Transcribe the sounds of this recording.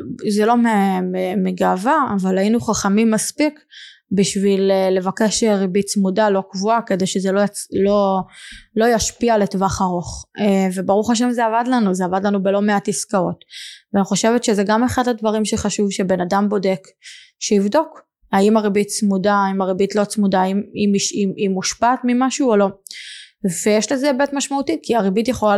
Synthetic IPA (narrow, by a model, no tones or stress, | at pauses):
zelo̞meemeɡavaːvalajinuχaχamimːaspikbiʃvileːe̞vake̞ʃeʁibitt͡smudalo̞kvuakede̞jʃezelolo | lo̞jaʃpiale̞tvaχaʁo̞χevebaʁuχaʃ̬emzeavadlanuzeavadlanube̞lo̞meatiskao̞tveaniχo̞ʃe̞vetʃezeɡame̞χadhadvaʁimʃeχaʃuvʃebe̞nadambo̞de̞k | ʃeivdo̞k | aimaʁibitt͡smudaimaʁebitlo̞t͡smudaimimiʃiimuʃpatmimaʃuːolo̞ | vejɛʃlezebetmaʃmautikiaʁibitjeχola